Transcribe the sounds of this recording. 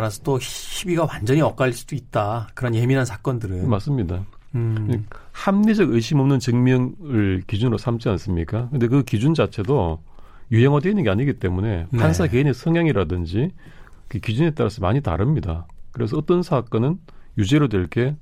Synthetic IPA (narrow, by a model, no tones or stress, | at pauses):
ɾasʰʌdohibiɡawand͡ʑʌɲiʌk͈aɭs͈i̥duit̚t͈akɯɾʌnje̞minɦansʰḁk͈ʌndɯɾɯmas͈ɯmɲida | hamned͡ʑʌɡɯjɕ͈ʰimʌmnɯnt͡ɕɯŋmjʌŋɯɭkid͡ʑunɯɾosʰamt͡ɕ͈ians͈ɯmɲik͈akɯnde̞k̬ɯkid͡ʑund͡ʑat͡ɕʰe̞do | juɦeŋwadweinːɯnŋɡeaɲiɡit͈e̞mune̞nhʰansʰake̞ine̞sʰʌŋjaŋiɾadɯnd͡ʑi | kɯkid͡ʑune̞t͈aɾasʰʌmaɲita̰ɾɯmɲidakɯɾe̞s̬ʰʌʌt͈ʌnsʰak͈ʌnɯn | jud͡ʑeɾodweɭk͈e̞